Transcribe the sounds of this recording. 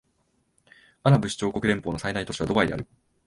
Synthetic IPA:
anabɯ̟ɕi̥t͡ɕoːko̞kɯ̟ɾe̞mpo̞ːno̞sainait̪o̞ɕiβ̞ad̪o̞baid̪e̞a̰ɾɯ̟

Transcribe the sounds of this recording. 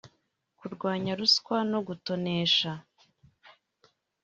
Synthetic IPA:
kuɾɡwaːɲaɾuskwano̞ɡuto̞ne̞ːʃa

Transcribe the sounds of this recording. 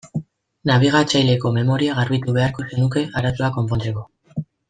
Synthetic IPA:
naβ̞iɣ̞at͡ʃajle̞ko̞me̞mo̞ɾiaɣ̞arβit̪uβe̞aɾko̞se̞nuke̞aɾat̪uako̞mpo̞nt͡se̞ko

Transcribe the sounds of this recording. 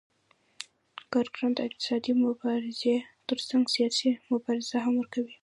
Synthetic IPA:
kɑɾɡɾɑnd̪əɪq̚t̪ɪ̥sɑd̪imʊbɑɾɪzet̪əɾsaŋɡsijɑsimʊbɑɾɪz̥aɦamwəɾkawi

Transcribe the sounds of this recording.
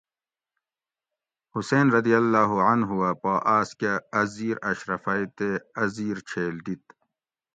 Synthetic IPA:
huseːnɾɐd̪ijɐlːaːɦuɐnɦuwapoːʔaːskaɐziːɾɐɕɾɐfaːit̪eɐziːɾt͡ɕʰeːld̪it̪̚

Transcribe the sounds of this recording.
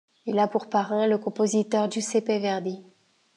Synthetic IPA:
ilapuʁpaʁɛ̃ləkɔ̃pozit̪œʁd̪ysepevɛʁd̪i

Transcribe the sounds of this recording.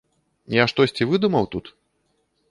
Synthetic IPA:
jaʂt̪ɔsʲt͡sʲivɨd̪umɐwt̪ut̪

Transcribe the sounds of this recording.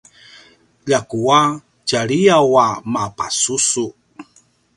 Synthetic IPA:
ʎakua | caɾiawamapasusu

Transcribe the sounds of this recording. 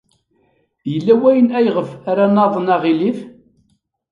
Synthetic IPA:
jəlːæwæjənæjʁəfæɾanɑðˤənɑʁilif

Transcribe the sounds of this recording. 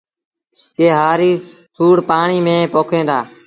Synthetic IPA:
keːɦaːɾiːsʰuːɽpaːɳiːmẽːpoːkʰẽːnd̪aː

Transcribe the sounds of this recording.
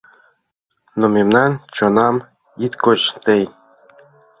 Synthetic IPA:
nomemnɑnt͡ɕonɑm | it̪kot͡ɕt̪ej

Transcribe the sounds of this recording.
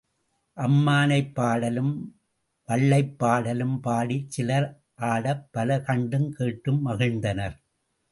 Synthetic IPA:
ʔɐmːaːnɐɪpːaːɽɐlɯm | ʋɐɭːɐɪpːaːɽɐlɯmpaːɽit͡ʃːɪlɐɾ | ʔaːɽɐpːɐlɐkɐɳɖɯmkeːʈːɯmːɐɣɪɻnd̪ɐnɐɾ

